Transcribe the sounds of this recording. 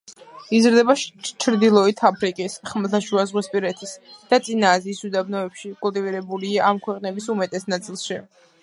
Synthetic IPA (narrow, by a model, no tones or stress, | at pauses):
izɾd̪ɛbat͡ʃʰɾd̪ilˠɔit̪ʰapʰɾikʼisχmlˠt̪ʰaʃuazʁwispʼiɾɛt̪ʰisd̪̥at̪sʼinaːziːsud̪abnɔɛpʃikʼulˠt̪ʼiviɾɛbuliaamkʰwɛqʼnɛbisumɛt̪ʼɛsnat̪sʼilˠʃi